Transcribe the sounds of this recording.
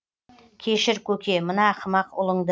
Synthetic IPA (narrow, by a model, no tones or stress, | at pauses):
kʲʰe̞ʃɪɾkʲʰɵkʲe̞mənɑqʰəmɑqʊ̰lˠəɴd̪